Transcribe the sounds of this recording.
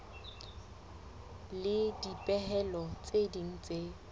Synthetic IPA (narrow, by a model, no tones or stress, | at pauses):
lɪdipʼɛɦɛlɔt͡sʼediŋ̩t͡sʼe